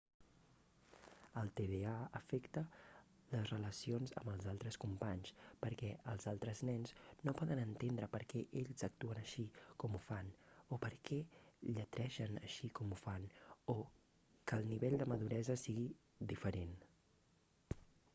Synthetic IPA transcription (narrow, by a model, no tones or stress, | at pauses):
əlˠt̪eβeaəfɛkt̪ə | ləzrələsionzə̰mbəlˠzalˠt̪ɾəskumpaɲspəɾkɛʔəlˠzalˠt̪ɾəznɛnznopɔðənənt̪end̪ɾəpəɾkɛʔeʎzək̚t̪uənəʃikɔmufanopəɾkʰɛʎət̪ɾʔɛʃənə̰ʃikɔmufano | kəːlˠniβɛʎd̪əməðuɾɛzəsiɣi | d̪ifəɾen